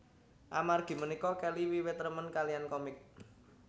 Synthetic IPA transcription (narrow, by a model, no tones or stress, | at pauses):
ʔamarɡ̥i̤mənikɔkɛliwiwet̪ɾəmənkalijankɔmɪk̚